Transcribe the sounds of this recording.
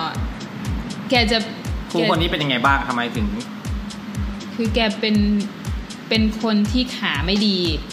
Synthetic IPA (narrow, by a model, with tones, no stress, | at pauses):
kɛː˧˩t͡ɕa˨˩ | kʰuː˧˩˧kʰo˧nːiː˦˥pe˧nja˧ŋa˧jbaː˥˩ŋt̪ʰa˧mːa˧jt̪ʰɯ˩˦ŋ˥ | kʰɯː˧kɛː˧˩pe˧n | pe˧nkʰo˧nt̪ʰiː˥˩kʰaː˩˦ma˥˩jdiː˧